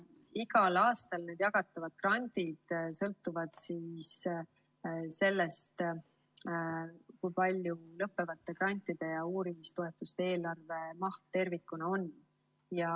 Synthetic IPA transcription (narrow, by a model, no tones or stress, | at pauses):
iɡɑlɑːst̪ɑlne̞ːd̪jɑɡɑt̪ːˑɑvɑd̪̥̚krɑnʲd̪̥id̪̥sɤlt̪ːˑuvɑd̪̥siːs | se̞lːe̞st̪ | kujpɑlʲjulɤpːe̞vɑt̪ˑːe̞krɑnʲt̪ˑːid̪̥e̞jɑuːɾimist̪oe̞t̪ːˑust̪ee̞ːlɑrve̞mɑht̪t̪ːe̞rvikːˑunɑo̞nː | jɑ